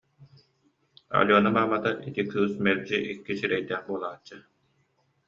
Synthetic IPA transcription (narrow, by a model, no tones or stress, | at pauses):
ɐ̰lʲuɔnamaːmat̪ait̪ikɯːsmɛɾd͡ʑiʔikːisiɾɛjd̪ɛːχbuɔlˠaːt͡ɕːɯ